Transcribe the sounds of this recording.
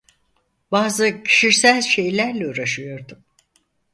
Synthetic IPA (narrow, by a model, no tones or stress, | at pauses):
baːzɯcʰi̥ʃiɾsælʲʃe̞jlʲæɾlʲɛuːɾaʃɯjo̞ɾd̪um